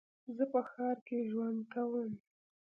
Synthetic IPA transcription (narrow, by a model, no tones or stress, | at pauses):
zəpəxɑɾkeʒwand̪kawəm